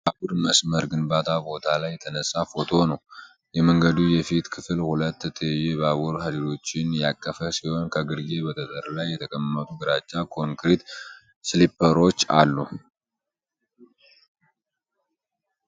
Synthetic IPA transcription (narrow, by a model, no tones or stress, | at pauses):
babuɾməsməɾɡɨnbat̪ʰabo̞t̪ʰalajːɛt̪ʰənəsʼːafo̞t̪ʰo̞nəw | jɛməŋɡəd̪ujɛfit̪kʰɨfɨlhulət̪ːɛt̪ʰəjjːebəaβuɾhad̪iɾo̞t͡ʃːɪnjakʼːəfəsiho̞nkʰəɡɨɾɡe̞bət̪ʰət̪ʼəɾlajːɛt̪ʰəkʼəmːɨnot̪ʰuɡɨɾat͡ʃʼːakʰo̞ŋkɾit̪ | slipːəɾo̞t͡ʃːa̰lːu